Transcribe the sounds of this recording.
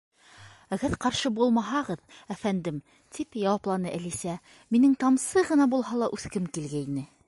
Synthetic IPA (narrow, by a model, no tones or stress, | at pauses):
æɡæðqɑɾʃɤbulˠmɑɦɑʁɤðæfænd̪ɘm | t̪ipjɑwɑplˠɑnɤʔælisæ | minɘŋt̪ɑmsɤʁɤ̆nɑbulˠɦɑlˠɑʔʉθkɘmkilɡæinɘ